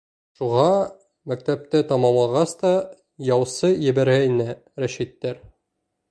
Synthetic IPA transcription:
ʃuʁɑ | mæk̚t̪æp̚t̪æt̪ɑmɑmlˠɑʁɑst̪ɑ | jɑwsɤjɘ̆bæɾɡæinæ | ɾæʃit̪ːæɾ

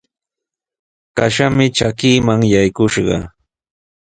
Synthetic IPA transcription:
kaʃamɪt͡ʃakiːmaŋjajkʊʃɢɑ̰

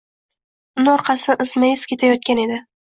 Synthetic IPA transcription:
ʊnɒɾqʰɑsɪnɪʔɪzmajɪz̥kʲe̞t̪ʰajɒt̪̚kʲane̞d̪ɪ

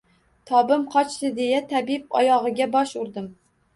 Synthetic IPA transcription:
t̪ʰɒbɪmqʰɒt͡ʃlɪd̪ejat̪ʰabip̚ɒ̰jɒʁɨɡʲabɒʃʊɾd̪ɪm

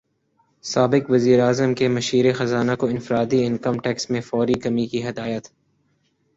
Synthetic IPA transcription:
saːbɪkʋɐziːɾaːzəmkemɐʃiːɾexɐzaːnakoɪ̃nfɪɾaːd̪iɪ̃nkəmʈɛːksmẽfɔːɾikɐmikiɦɪd̪aːjət̪

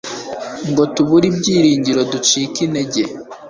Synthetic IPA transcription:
ŋɡo̞tuβuɾibɟiːɾiːɲɟiɾodut͡ʃiːkineɟe

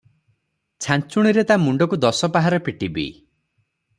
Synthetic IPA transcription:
t͡ʃʰant͡ʃuɽ̃iɾet̪amuɳɖɔkud̪ɔsɔpaɦaɾɔpiʈibḭ

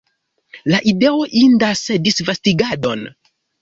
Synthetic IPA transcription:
laʔide̞o̞ʔindase̞disvastiɡado̞n

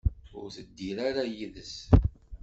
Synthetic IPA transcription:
ʊ̰ɾθəd̪ːiɾaɾajiðəs

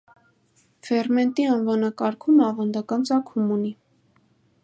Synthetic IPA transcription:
fɛrmɛnt̪iɑnvɑnɑkɑɾkʰumɑvɑnd̪ɑkɑnt͡sɑkʰumuni

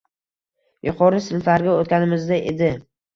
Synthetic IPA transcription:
jʊqʰɒɾɪsɪlfaɾɡʲaot̪̚kʲanɪmɪzd̪aʔḛd̪ɪ

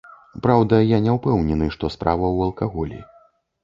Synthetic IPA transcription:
pɾawd̪ɐjanʲɛwpɛwnʲɛnɨʂt̪ɔspɾʔa̰vɐwɐlˠkaɣɔlʲḭ

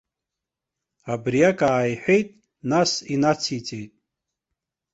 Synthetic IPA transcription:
abrijakʼaːjħʷᶣe̞jtʼ | nasinat͡sʰit͡sʼejtʼ

